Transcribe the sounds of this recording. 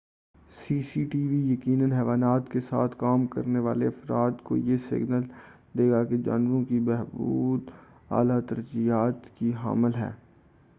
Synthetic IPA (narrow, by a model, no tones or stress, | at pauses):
siːsiʈiːʋijɐkiːnənɦɛːʋaːnaːt̪kesa̰ːt̪ʰkaːmkɐ̰ɾneʋaːleɐfɾaːt̪ko̰jesɪ̰ɡnəl | d̪eːɡaked͡ʒa̰ːnɾõkibɛɦbuːd̪ | a̰ːlat̪ɐɾd͡ʒijaːt̪kiɦa̰ːməlɦɛ̰ː